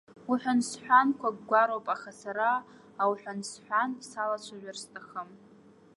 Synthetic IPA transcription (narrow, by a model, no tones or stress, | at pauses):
uħʷᶣansħʷᶣankʷʰaɡɡʷaɾowpʼaχasaɾaː | wħʷᶣansħʷᶣansalat͡ʃʷʰaʒʷᶣarstʰʼaχəm